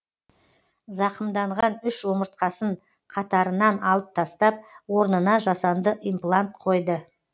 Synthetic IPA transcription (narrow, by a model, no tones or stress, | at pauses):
zɑqəmd̪ɑɴʁɑnʏʃʒo̞məɾt̪̚qɑsəɴ | qʰɑt̪ɑɾənɑnɑlˠəp̚t̪ʰɑst̪ɑp̚wo̞ɾnənɑʒɑsɑnd̪əʔijmplˠant̪̚qʰo̞jd̪ə